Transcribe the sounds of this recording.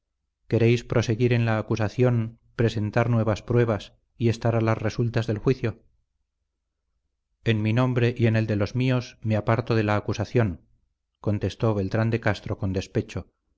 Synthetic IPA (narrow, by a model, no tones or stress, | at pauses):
ke̞ɾejspɾʔo̞se̞ɣiɾe̞nlaːkusaθjo̞n | pɾe̞se̞nt̪aɾnwe̞β̞aspɾwe̞β̞as | ie̞st̪aɾalazre̞sult̪azðe̞lxwiθjo̞ | enminõ̞mbɾe̞ʔie̞ne̞ld̪e̞lo̞zmio̞smeapaɾt̪o̞ðe̞laːkusaθjo̞ŋ | ko̞nt̪e̞st̪o̞βe̞lt̪ɾand̪e̞kast̪ɾo̞ko̞nd̪e̞spe̞t͡ʃo